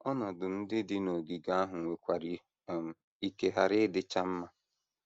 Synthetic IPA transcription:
ɔ˦nɔ˨dʊ˨n̩˦dɪ˦dɪ˦no˨ɡi˨ɡa˦a˦ɦʊ˨ŋʷe˨kʷa˨ɾi˨ | m̩˦ | i˦ke˦ɦa˨ɾɪ˦dɪ˦t͡ʃa˦m̩˦ma˦

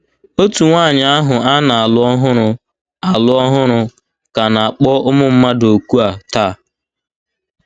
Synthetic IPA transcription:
o˦tu˨ŋʷaː˦˨ɲɪ˨a˦ɦʊ˨a˦na˨a˨lʊ˦ɔ˦ɦʊ˦ɾʊ˨ | a˨lʊ˦ɔ˦ɦʊ˦ɾʊ˧ | ka˨na˨a˨k͡pɔ˦ʊ˦mʊ˦m̩˦ma˦do˨ku˦a˨ta˦˨

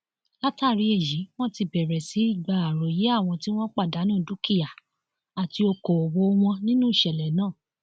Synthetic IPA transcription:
la˦ta˦˨ɾi˧e˦˨ji˨˦w̃ɔ̃˦ti˧bɛ˨ɾɛ˨si˨˦i˦˨ɡ͡ba˨a˨ɾo˨je˨˦a˦˨w̃ɔ̃˧ti˦w̃ɔ̃˦k͡pa˦˨da˨˦nũ˦˨du˦ki˦ja˨ | a˨ti˧o˧ko˨o˨wo˨˦˧w̃ɔ̃˧nĩ˦nũ˦i˦˨ʃɛ˨lɛ˨nãː˦˨

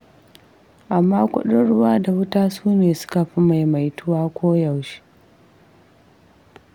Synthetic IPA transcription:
ʔa˨mːaː˦kʷʊ̰˦ɗʊ˦nɽʊ˦waː˦da˨wʊ˦taː˦suː˦neː˨sʊ̥˦ka˨ɸi˦ma˨jma˨jtʊ˦waː˦kʷoː˦ja˨wʃi̥˦

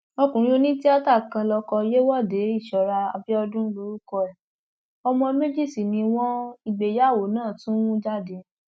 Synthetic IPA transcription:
ɔ˧kũ˨˦o˧nĩ˦ti˦a˦ta˦˨kã˧lɔ˧kɔ˧je˦wɔ˦˨de˨˦i˦˨ʃɔ˨ɾa˧a˧bi˦ɔ˧dũ˦lo˦ɾu˦kɔ˧ɛ˨ | ɔ˧mɔ̃˧me˦d͡ʒi˦˨si˨nĩ˧w̃ɔ̃˦i˧ɡ͡be˨ja˦˨wo˨˦nãː˦˨tũ˦wũ˦d͡ʒa˦˨de˧˦

